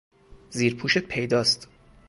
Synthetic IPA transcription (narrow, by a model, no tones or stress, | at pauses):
ziːɾpʰuːʃet̪̚pʰe̞jd̪ɒːst̪